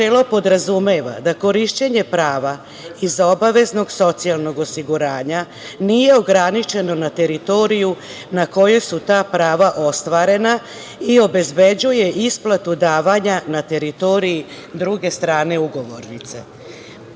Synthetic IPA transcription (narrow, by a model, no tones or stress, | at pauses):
elo̞po̞d̪ɾazumeːʋa̰d̪ako̞ɾiʃt͡ɕe̞ɲe̞pɾaːʋa | izo̞baʋe̞zno̞ɡso̞t̪sialˠno̞ɡo̞siɡuɾaːɲa | nije̞o̞ɡɾanit͡ʃe̞no̞nat̪e̞ɾit̪o̞ɾiju | nako̞jesut̪aːpɾaːʋaʔo̞st̪ʋaːɾe̞na | io̞be̞zbe̞d͡ʑuje̞ʔisplˠat̪ud̪aːʋaɲanat̪e̞ɾit̪o̞ɾii | d̪ɾuɡe̞st̪ɾaːne̞uɡo̞ʋo̞ɾnit̪se̞̰